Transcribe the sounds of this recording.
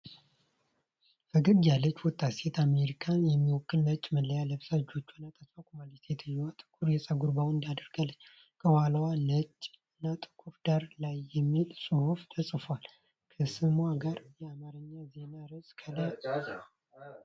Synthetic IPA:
fɨɡɨɡjalːət͡ʃːwɔt̪ʰʼːase̞t̪ʰame̞ɾikʰanjɛmːiwɔkːɨnːət͡ʃʼməlːəjaləbsad͡ʒo̞t͡ʃːunːat̪ʰʼəsakʷʼumalɛset̪ʰɨjːɛwat̪ʼɨ̥kʰuɾjɛsʼəɡuɾbawɨnd̪ad̪əɾɡalːəɲː | kʰəwaləwanət͡ʃʼːɨnːat̪ʼɨ̥kʰuɾd̪aɾlajːɛmːilsʼɨhuft̪ʰəsʼfowal | kʰəsɨmaɡaɾjɛamaɾəɲːaze̞naɾɨskʰələ

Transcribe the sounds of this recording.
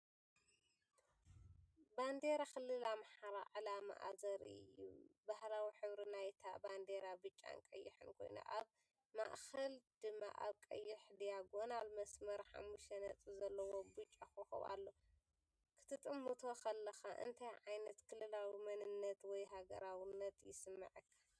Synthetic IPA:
band̪eɾakɨlːɨlamaħaɾaʕalama̰ʔazɐɾɨ̰jːṵbahɾawiħɨβɾinajt̪ʰaband̪eɾabɨt͡ʃʼːa̰nkʼɐjːɪħɨnkʰo̞̰jna̰ʔaβ | ma̰ʔxɐld̪̥ɨmːa̰ʔa̰βkʼɐ̰jːɪħd̪ijaɡonalmɐsmɐɾħa̰mːuʃt̪ɐnɐt͡sʼizɐlːɐwobɨt͡ʃʼːaxoxṵβa̰lːo̞ | kʰɨ̥t̪ʰɨt̪ʼɨmːɨt̪ʰo̞kʰɐlːɐxaʔɨ̰nt̪ʰɐjʕajnɐt̪kʰɨlːɨlawimɐnɨnːɐt̪wɔjɦaɡɐ̰ɾawinːɐt̪jɪsɨmːɐ̰ʕɨkʰːḁ

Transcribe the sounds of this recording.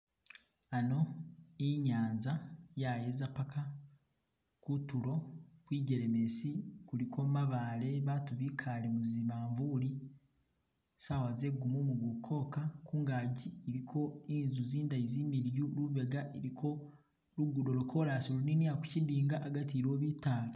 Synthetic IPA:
ano̞iɲaːnzajaje̞zapakʰa | kutulo̞kwiːɟe̞ɾe̞me̞sikuɾikʰo̞maβale̞βatuβikʰalemuziβaːɱvuɾi | saːwaze̞ɡumomuɡukʰo̞ːkakuːŋɡaːɟieɾikʰo̞iːnzuziːndajiziːmiɾjuluβe̞ɡaʔeɾikʰo̞ | luɡudo̞lokʰo̞ɾaːsuloniniaku̥cidiːŋɡaʔaɡatiɾo̞ːβitaːla

